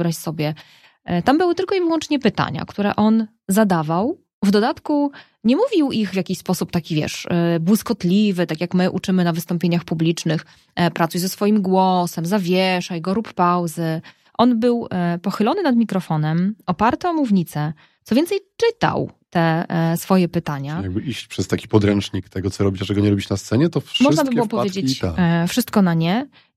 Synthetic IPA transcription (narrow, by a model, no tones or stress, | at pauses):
bɾaɕsɔbʲjɛ | t̪ambɘwɘt̪ɘlkɔivwɔnt͡ʂɲɛpɘt̪a̰ɲa̰kt̪uɾɛ̰ʔɔn | zad̪avaw | vd̪ɔd̪at̪ku | ɲɛmuvʲiwiɣvʲjakʲiɕspɔsupt̪akʲivʲjɛ̰ʂbwuskɔt̪lʲivɘt̪akʲjakmɘʔut͡ʂɘmɘnavɘst̪ɔmpʲjeɲaxpublʲit͡ʂnɘx | pɾat̪sujzɛsfɔjimɡwɔsɛmzavʲjɛʂajɡɔɾuppawzɘ | ʔɔnbɘwpɔxɘlɔnɘnad̪mʲikɾɔfɔnɛmɔpaɾt̪ɨɔmuvɲit̪sɛ | t̪sɔvʲjɛnt̪ɛjt͡ʂɘt̪a̰wt̪ɛsfɔjɛpɘt̪aɲaajaɡbɘiɕt͡ɕpʂɛst̪akʲi̥pɔd̪ɾɛnt͡ʂɲikt̪ɛɡɔt̪sɔɾɔbʲit͡ɕaʐɛɡɔɲɛɾɔbʲit͡ɕnast̪sɛɲɛt̪ɔfʂmɔʐnabɘbɨwɔpɔvjed͡ʑet͡ɕfʂɘst̪̚kɔnaɲɛ